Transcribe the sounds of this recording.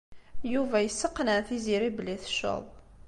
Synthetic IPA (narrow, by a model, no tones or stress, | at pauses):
juvæjəsːəqːnæθiziɾibliθʃə̰ðˤ